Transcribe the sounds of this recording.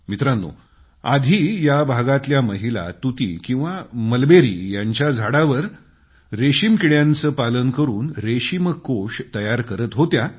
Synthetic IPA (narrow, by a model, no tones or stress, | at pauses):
mit̪ɾanːo̰ | a̰d̪ʱiːjabʱaɡat̪ljaməɦila̰t̪ut̪ḭːkĩw̃ʋaməlbeɾḭːjaɲt͡ɕjad͡zʱaɽaʋəɾ | ɾeɕimkiɽjant͡səːpalənkəɾuːnɾeɕiməkːoʂt̪əjaɾkəɾət̪ɦot̪ja